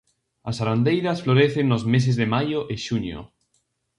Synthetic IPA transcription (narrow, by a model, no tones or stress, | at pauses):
asaɾand̪ejðasfloɾeθeŋːozmes̬ezðemajoʔɪʃunjo̰